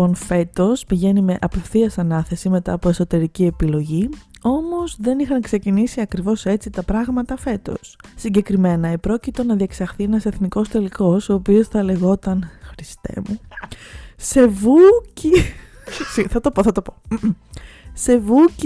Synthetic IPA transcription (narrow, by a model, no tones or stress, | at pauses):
o̞nfe̞t̪o̞spiʝe̞nime̞ʔɐpe̞fθiɐsɐnɐθe̞sime̞t̪ɐ̰ːpoeso̞t̪e̞ɾicie̞pilo̞ʝio̞mo̞zðe̞nixɐŋkse̞cinisiɐkɾivo̞se̞t͡sit̪ɐpɾɐɣmɐt̪ɐfe̞t̪o̞̰sːiɲɟekɾime̞nɐepɾo̞cit̪o̞nɐðie̞ksɐxθienɐse̞θniko̞st̪e̞liko̞soːpio̞sθɐle̞ɣo̞t̪ɐnxɾist̪ḛmu | se̞vuci | siθɐt̪o̞poθɐt̪opo | se̞vuc